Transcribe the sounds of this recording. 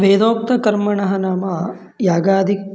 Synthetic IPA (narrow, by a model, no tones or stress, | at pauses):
ʋeːd̪oːk̚t̪ɐkɐɾmɐɳɐɦɐnaːmɐ | jaːɡaːd̪ʱi